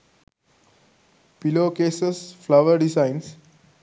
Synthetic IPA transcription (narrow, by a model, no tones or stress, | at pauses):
piloːkeːsesflaʋəɾɖisãɪns